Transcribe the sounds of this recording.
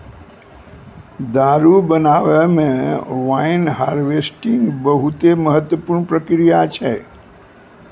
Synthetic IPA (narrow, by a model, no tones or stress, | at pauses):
d̪aɾubənaʋemẽʋainɦaɾʋesʈĩŋɡbəɦut̪eməɦət̪ːwəpuɾɳpɾəkɾijat͡ʃʰe